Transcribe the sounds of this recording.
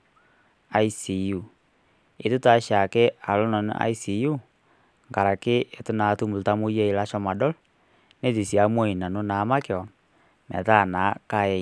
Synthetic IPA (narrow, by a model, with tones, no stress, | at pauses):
a˨i˦si˨ju˨ | ɪ̰˨˦tu˦ta˨˦ʃa˨ke˦a˨lo˦nɔ˨n˦a̰˦i˦si˨ju˦ | ŋɡa˨ɾa˨kɪ˦e˨tʊ˦na˨tu˦mu˨lta˦mo˦je˦i˨la˦ʃɔ˦ma˨dɔ˦l | ne˦˨ti˨si˨a˦mo˦i˨na˨no˦naː˨˦ma˦kɪ˨ɔ˨ | mɛ̰˨ta˦˨na˨˦ka˦jɛ˨